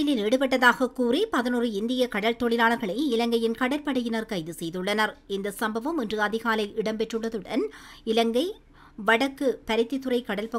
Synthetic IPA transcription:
ɪlɪneːɽɯp̬ɛʈ̬ːɐðaːɣɐkuːripɐðɐnɯrɯɪnd̪ɪjɐkɐɽɐlt̪ɔɭɪlaːnɐɾɣɐɭɐɪɪlɐŋɡɐjɪnkɐɽɐlpɐɽɐjɪnɐɾkɐɪðɯsɛjðɯɭːɐnɐɾɪnd̪ɐsɐmbɐʋɐmɛndrɯɐðɪɣaːlɐɪʔɪɽɐmpɛʈrɯɭːɐðɯɽɐnɪlɐŋɡɐɪ | ʋɐɽɐkːɯpɐɾɪt̪ːɪt̪ːɯrɐɪkɐɽɐlpɐ

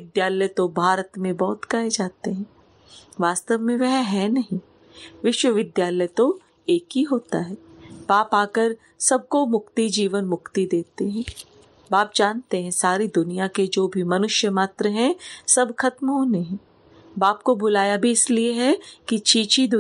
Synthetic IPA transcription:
ɪd̪jaːləjt̪obʱaːɾət̪mẽbɔːʊt̪kaed͡ʒaːt̪eɦɛ̃ | ʋaːst̪əʋmẽʋɛɦɦɛnɐɦĩ | ʋɪʃwəʋɪd̪jaːləjt̪o | eːkɦiɦoːt̪aɦɛːbaːpaːkəɾ | sɐb̚ʱkomʊkt̪id͡ʒiːʋənmʊkt̪id̪eːt̪eɦɛ̃ː | baːp̚d͡ʒaːnt̪eɦɛ̃saːɾid̪ʊnijaked͡ʒoːbʱimɐnʊʃjəmaːt̪ɾəɦɛ̃sɐbʱxɐt̪mɦoːneɦɛ̃ | baːpkobʊlaːjabʱiɪslieɦɛkit͡ʃiːt͡ʃid̪ʊ

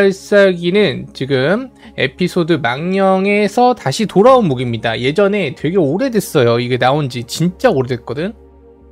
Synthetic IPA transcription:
aɭs͈aɡinɯnt͡ɕiɡɯm | e̞̰pʰisʰodɯmaŋɲʌŋe̞sʰʌtaɕʰitoɾaonmuɡimɲidaje̞d͡ʑʌne̞twe̞ɡe̞oɾe̞dwe̞s͈ʌjoiɡe̞naond͡ʑit͡ɕint͡ɕ͈aoɾe̞dwet̚k͈ʌdɯn

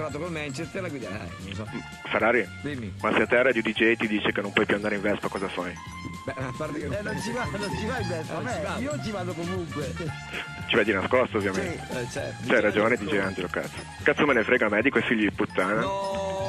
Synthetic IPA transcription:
ɾaːt̪okolmɛnt͡ʃest̪əɾlaɡwid̪aa̰ | sɔ | feɾaːɾi | d̪imimaseat̪ːɛaɾrːad̪jod̪id͡ʒejt̪id̪iːt͡ʃekenːõmpwɔjpjuand̪aɾeiɱvɛspakɔːzafaj | bɛpaɾnont͡ʃivanont͡ʃivaivɛsaɛiaiot͡ʃivaːd̪okomuŋkwe | t͡ʃivɛd̪inaskɔst̪ovːjament̪et͡ʃɛt͡ʃɛajɾad͡ʒoːned̪it͡ʃeand͡ʒeloka̰t̪sːo̥ | kat̪sːomenefɾeːɡamɛːd̪ikoɛfːiʎːod̪iput̪ːaːna

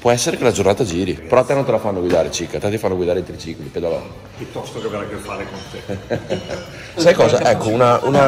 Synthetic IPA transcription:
pwɔɛsːeɾekelad͡ʒornaːt̪ad͡ʒiːɾipeɾɔat̪ːɛnont̪elafanːoɡwid̪aːɾet͡ʃikːat̪ɛt̪ːifanːoɡwid̪aːɾeit̪ɾit͡ʃikliped̪alɔ̰n | pjut̪ːɔst̪okeveɾakːefːaɾekont̪e | sajkɔːzaʔɛkːounauna

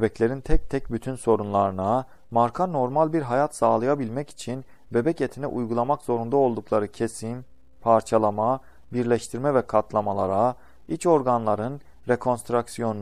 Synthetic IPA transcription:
ebɛclʲe̞ɾint̪ʰɛc̚t̪ʰɛcbyt̪ʰynso̞ɾunlˠaɾɯna | maɾkʰano̞ɾmalʲbiɾɦajat̪saːlˠɯjabilʲmɛci̥t͡ʃʰin | be̞bɛcet̪ʰinɛ̰ʔujɡulˠamakz̥o̞ɾund̪ao̞lˠd̪uklˠaɾɯcʰesin | pʰaɾt͡ʃʰalˠama | biɾlʲɛʃt̪ʰiɾmɛvɛkʰat̪lˠamalˠaɾa | it͡ʃʰo̞ɾɡanlˠaɾɯn | ɾekʰo̞nst̪ɾaksijo̞n

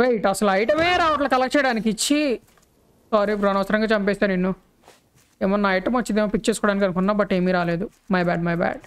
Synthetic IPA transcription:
ɾɐjʈɐsɐluɐjʈɐmeːɾaːʋɐʈ̬lɐkɐlɐkɐt͡ʃɛːjɐɽaːnik̬it͡ʃːi | saːɾibɾɐːnɐʋɐsɐɾɐŋɡaːt͡ʃɐmpeɛːst̪aːɾninːu | eːmɐnːaːjiʈɐmʋɐt͡ʃːid̪eːmɐːpik̚t͡ʃeːsukɔːɽaːnik̬ɐnukunːaːbɐʈːeːmiːɾaːleːd̪u | mɐjbaːɖmɐjbæ̰ːɖ

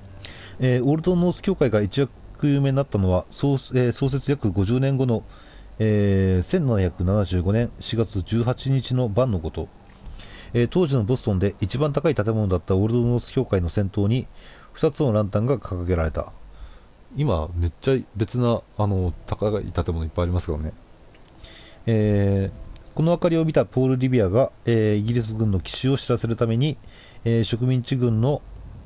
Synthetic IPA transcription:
eːo̞ɾɯ̟d̪ono̞ːsɨ̥kʲo̞ːkaiɡait͡ɕija | kɯjɯːme̞nnat̪ːano̞βaseso̞ːs̬e̞t͡sɨjakɯ̟ɡo̞ʑɨːnẽ̞ŋɡo̞no̞ | eːsẽ̞nːanaçakɯ̟nanaʑɨːɡo̞nẽ̞ɰ̃ɕiɡat͡sɨd͡ʑɨːɦat͡ɕiɲ̟it͡ɕino̞bãnːo̞ɡo̞t̪o̞ | et̪o̞ːʑino̞bo̞sɨ̥t̪õ̞nd̪e̞ʔit͡ɕibãnt̪akait̪at̪̬e̞mo̞no̞d̪at̪ːao̞ɾɯd̪ono̞ːsɨ̥kʲo̞ːkaino̞sẽ̞nt̪o̞ːɲ̟i | ɸɯ̟̥t̪at͡sɨno̞ɾãnt̪ãŋɡakʰakkake̞ɾaɾe̞t̪a̰ | ima̰me̞t͡ɕːaibe̞t͡sɨnano̞t̪ʰakaaḭt̪at̪e̞mo̞noipːaijaɾimasɨ̥ked̪one̞ | eː | ko̞no̞βakaɾʲio̞mʲit̪apo̞ːɾɯ̟ɾʲibʲiaɡaeːiɡʲiɾʲis̬ɨɡɯ̟̃nːo̞kʲi̥ɕio̞ɕiɾase̞ɾɯ̟t̪ame̞ɲ̟i | eːɕo̞kɯ̟mʲĩɲ̟t͡ɕiɡɯ̟̃nːo̞

